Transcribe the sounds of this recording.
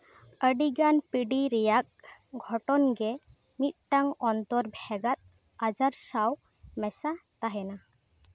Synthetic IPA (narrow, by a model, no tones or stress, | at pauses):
əɖiɡanpiɖiɾɛjak̚ɡʱɔʈɔnɡɛ | mit̪̚ʈaŋɔnt̪ɔɾbʱɛɡat̪̚ | ad͡ʒaɾsaw | mɛsat̪aɦɛna